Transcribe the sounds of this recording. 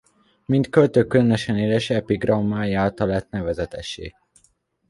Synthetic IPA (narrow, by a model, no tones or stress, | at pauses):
mint̪kølt̪øːkylønøʃɛneːlɛʃɛpiɡrɒmːaːjiaːlt̪ɒlːɛt̪nɛvɛzɛt̪ɛʃḛː